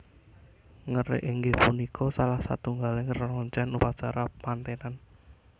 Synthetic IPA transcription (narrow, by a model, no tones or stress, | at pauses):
ŋərḛʔiŋɡepunikʰɔsalahsa̰t̪uŋɡalɪŋərnɔɲt͡ʃɛnupat͡ʃaɾapant̪enan